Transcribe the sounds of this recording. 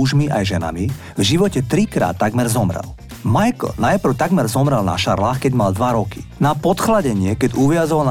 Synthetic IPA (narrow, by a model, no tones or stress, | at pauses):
uʒmiʔajʒɛna̰mi | vʒiʋɔcɛt̪ɾikɾa̰ːt̪ːaɡmɛɾzɔmɾɛ̰l | majkl̩najpr̩ʊt̪aɡmɛɾzɔmɾɛlna̰ʃaɾlaːxkɛɟmald̪ʋaɾɔkinapɔt̪xlaɟɛɲɪɛkɛɟuʋɪazɔʋaln